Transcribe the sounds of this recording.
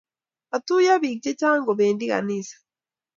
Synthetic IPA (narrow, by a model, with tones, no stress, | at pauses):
atu˦ja˦βice˦caː˦ŋɡoβeːndi˦ɣa̰˨nisḁ